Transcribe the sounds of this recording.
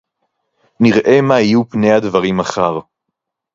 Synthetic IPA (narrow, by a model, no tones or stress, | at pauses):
niʁʔe̞maijupne̞jad̪vaʁimaχaʁ